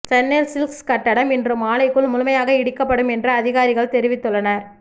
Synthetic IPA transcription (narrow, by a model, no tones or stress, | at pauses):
t͡ʃɛnːelsɪlkskɐʈːɐɽɐmɪndrɯmaːlɐɪkːɯɭmʊlʊmɐjaːɣɐɪɽɪkːɐpːɐɽɯmɛndrɐɐðɪɣaːɾɪɣɐɭt̪ɛɾɪʋɪt̪ːɯɭːɐnɐɾ